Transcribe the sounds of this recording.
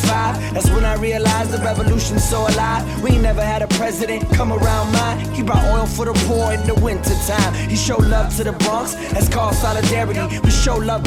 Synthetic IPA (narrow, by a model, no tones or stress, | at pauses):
faɪv | ɨtswə̃naɪɹiɨlaɪzðɨɹɛvəlʉʃɨ̃n̩soʊəlɑt̚winɛvə˞ɨɾɨpʰɹ̥ɛzɨɾɨ̃nkʰʌ̃mə˞ãʊ̃nmaɪ | hibɹɔɾ̚ɔlˠfə˞ðəpʰɔɨ̃n̩ðəwɪ̃ntə˞tʰãɪ̃m | iʃoʊdˡlʌv̥tʰɨðəbɹʌ̃ŋks | ɨz̥kʰɔ̥sɑlˠɨdɛɹɨɾiwiʃoʊlʌv